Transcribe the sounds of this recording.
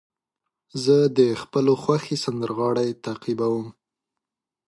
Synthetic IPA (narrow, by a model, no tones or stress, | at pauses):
zəd̪əxpəloxwaxesand̪əɾɣɑɽajt̪aqibawəm